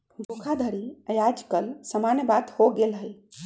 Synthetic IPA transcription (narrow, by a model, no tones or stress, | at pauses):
ɡokʰad̪ʱəɾiəjad͡ʒkəlsəmanjəbad̪hoɡelɦəj